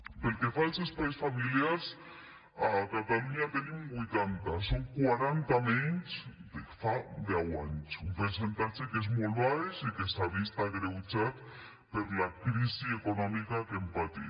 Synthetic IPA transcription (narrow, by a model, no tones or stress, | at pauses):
pelkefaesespaisfamiljaɾs | akat̪aluɲat̪enimbujt̪ant̪asoŋkwaɾant̪ameɲt͡ʃd̪efaðeawa̰ɲt͡ʃumpeɾs̬ent̪at͡ʃekezmolβaeʃikest̪aβist̪aɣɾewt͡ʃat̪̚ | peɾlakɾisiekonɔmikakempat̪ḭ